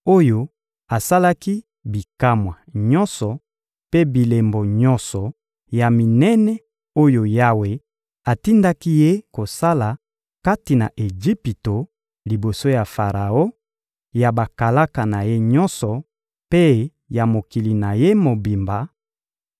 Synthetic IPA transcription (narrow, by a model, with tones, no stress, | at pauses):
o˦jo˦ | a˨sa˦la˦ki˦ | bi˨ka˦mwa˨ɲɔ̃˦nsɔ˨ | pe˦bi˨le˨mbo˨ɲɔ̃˦nsɔ˨ | ja˨mi˨nɛ˦nɛ˦ | o˦jo˨ja˦we˨ | a˨ti˦nda˦ki˦je˦ko˨sa˦la˨ | ka˦ti˨na˨ʔe˨d͡ʒi˦pi˨to˨ | li˨bo˨so˦ja˨fa˨ʁa˨o˦ | ja˨ba˨ka˨la˦ka˨na˨je˦ɲɔ̃˦nsɔ˨ | pe˦ | ja˨mo˨ki˨li˨na˨je˦mo˨bi˨mba˨